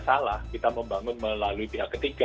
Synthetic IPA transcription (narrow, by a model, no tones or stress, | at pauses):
salahkit̪aməmbaŋʊnməlaluipiɦakːət̪iɡa